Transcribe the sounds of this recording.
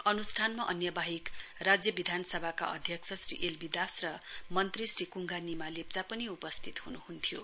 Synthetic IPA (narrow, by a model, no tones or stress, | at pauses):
ʌnusʈʰanmaʔʌ̰njʌbaɦikrad͡zjʌbid̪ʱanʌsʌbʱaka̰ʔʌ̰d̪ʱjʌksʰʌsrḭʔelbid̪asrʌmʌnt̪risrikuŋɡanimalep̚t͡sapʌniupʌst̪ʰit̪hunuhunt̪ʰijo